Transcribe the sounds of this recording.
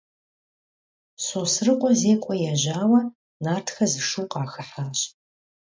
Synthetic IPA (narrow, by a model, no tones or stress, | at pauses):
soːsrɨqʷʼɔzeːkʷʼɔjɛʑaːwɐ | naːrtʰxɐzɨʂuːqɑːxɨħaːɕʼ